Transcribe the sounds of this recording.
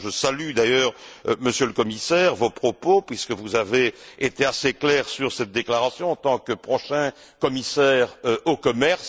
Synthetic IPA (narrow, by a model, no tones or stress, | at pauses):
ʒəsalyd̪ajœːʁməsjøləkɔmisɛːʁvopχɔpopɥiskəvuzaveːt̪easeklɛːʁsyʁsɛt̪̚d̪eklaʁasjɔ̃ɑ̃t̪ɑ̃kəpχɔʃɛ̃ | kɔmisɛːʁøokɔmɛʁs